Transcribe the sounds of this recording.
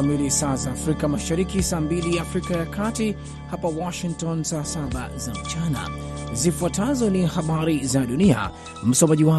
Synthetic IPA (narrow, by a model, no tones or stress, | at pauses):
amilisaːzaːfɾikamaʃaɾikisaːmbilijaːfɾikajakʰati | hapawɔʃiŋk̚tɔnsaːsaɓa̰zam̩t͡ʃana̰ | zifuatʰazɔnihaɓaɾizaɗunia̰ | m̩sɔmaʄiwa